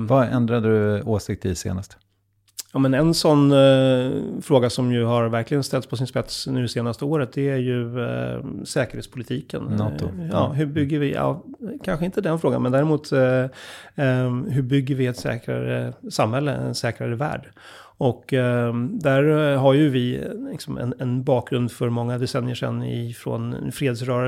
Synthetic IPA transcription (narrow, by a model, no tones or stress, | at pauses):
vaɛnd̪ɾad̪əɵoːʂɪkt̪ɪsḛːnast̪ | jɑːmɛnɛnsɔnː | fɾoːɡasɔmjɵɦaɾvæɾklɪɡənst̪ɛlt̪spʰɔs̬ɪnspɛt̪snʉ̟ːd̪ɛseːnast̪əoːɾət̪̚d̪ɛæɾjɵ | sɛːkəɾhːtspʰʊlɪt̪ʰiːkə̰nnɑːt̪ʊ̰jɑːɦɵbʏɡːəɾvɪjɑ̰ːkʰanɧəɪnt̪əd̪ɛnfɾoːɡa̰mɛnd̪æːɾɪmuːt̪ | ɦɵbʏɡːəɾvɪɛt̪sɛ̰ːkɾa̰ɾə̰samhɛlːə̰ɛ̰t̪sɛːkɾaɾəvæ̰ːɖ | ɔkː | d̪æɾɦaɾjɵvɪlɪksɔmɛ̰nɛnbɑːk̚ɡɾɵnd̪fœɾmɔŋːad̪ɛsɛnːɪəʂɛ̰nːɪ̰fɾo̰nfɾeːd̪sɾœːɾa